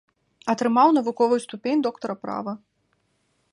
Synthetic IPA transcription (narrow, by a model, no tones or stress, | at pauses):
ɐt̪ɾɨmawnɐvukɔvɨjust̪upʲenʲd̪ɔkt̪ɐɾɐpɾa̰vɐ